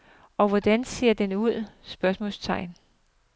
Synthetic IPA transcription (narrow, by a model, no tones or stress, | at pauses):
ɒ̽ʋɒd̥ænse̝̰ɐ̰d̥enuð̞̰ˠsb̥ɶɐsmɔ̰lst͡sʰɑ̈ɪ̰n